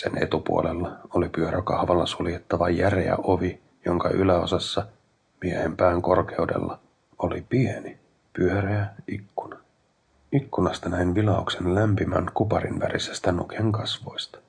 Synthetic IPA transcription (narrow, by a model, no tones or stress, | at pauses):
sene̞̰t̪upṵolelːɑolipyøɾʔækɑhʋɑlːɑsuljet̪ːɑʋɑjæreæ̰ʔoʋi | joŋkɑʔylæo̞sɑsːɑ | miehe̞mpæːŋko̞rke̞udḛlːɑ | olipieni | pyøɾææikːunɑ | ikːunɑst̪ɑnæinʋilɑukse̞nlæmpimæ̰nkupɑɾḭnʋæ̰ɾʔisːæ̥si̥t̪ænṵkʰeŋkɑsʋo̞jst̪ɑ̥